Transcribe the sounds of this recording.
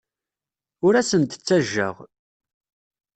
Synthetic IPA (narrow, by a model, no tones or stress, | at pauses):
ʊɾæsənt̪ə̥t͡sːæʒːə̰ʁ